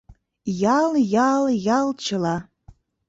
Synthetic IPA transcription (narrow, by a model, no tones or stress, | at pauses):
jɑljɑljɑlˠt͡ʃʰəlɑ